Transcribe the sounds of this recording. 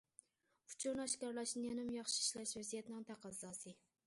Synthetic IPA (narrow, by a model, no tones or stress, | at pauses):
ʊ̥t͡ʃʰuɾnɑʃkɑɾlˠɑʃnɪjɛnɪmjɑχʃi̥iʃlɛʃvɛzijɛt̪nɪŋt̪ʰæqʰɑzɑsɨ